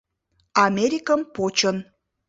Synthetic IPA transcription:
ɑmʲeɾʲikəmpot͡ɕən

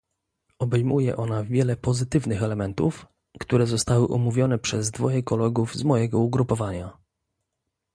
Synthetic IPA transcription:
ɔbɛjmujɛ̰ʔɔnavʲjɛlɛpɔzɘt̪ɘvnɘxɛlɛmɛnt̪ṵf | kt̪uɾɛzɔst̪awɘʔɔmuvʲjɔnɛpʂɛzd̪vɔjɛkɔlɛɡuvzmɔjɛɡɔuɡɾupɔvaɲa

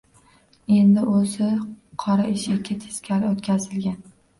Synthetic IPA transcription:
e̞nd̪ɪʔosɪqʰɒɾaɪʃɪkʲʰɪt̪ʰɪ̥skʲʰaɾɪot̪kʲazɪlɡʲan

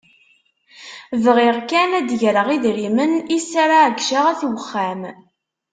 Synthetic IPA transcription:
vʁɪʁkænæd̪ʝɾəʁiðɾimənisːaɾaʕəɡʃaʁæθwəχːæm

